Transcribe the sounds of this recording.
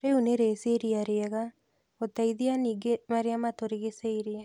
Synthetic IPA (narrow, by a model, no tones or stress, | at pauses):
ɾeuneɾeseɾiaɾeɛɣa | otaiðianiːɡemaɾeamatoɾeɣeseiɾea